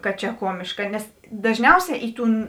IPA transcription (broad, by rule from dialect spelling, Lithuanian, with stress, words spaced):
kɐt t͡ʃʲɛ ˈkuɔmʲɪʃkɐ nʲɛs dɐʒʲˈnʲɛʊˌsʲɛː ˈɪ ˌtuːn